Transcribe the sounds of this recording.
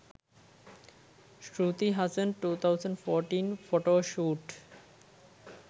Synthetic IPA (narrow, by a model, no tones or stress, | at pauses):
ʃɾuːt̪iɦazə̃nɖʈuːt̪ʰaʊzə̃ɳɖfɔːɾʈĩːnfoːʈoːʃuːʈ